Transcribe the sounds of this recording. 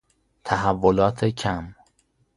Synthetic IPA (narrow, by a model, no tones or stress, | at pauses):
t̪ʰæɦævːolɒːt̪ʰecʰæm